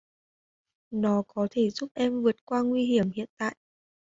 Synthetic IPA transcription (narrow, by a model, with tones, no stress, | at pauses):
nɔ˨˦kɔ˨˦t̪ʰe˧˩zʊ˦˥p̚ʔɛ˧mvɨ˨˩ət̚kwaː˧ŋwi˧ɦi˧˩əmhḭ˧˨ənt̪a̰ː˧˨jʔ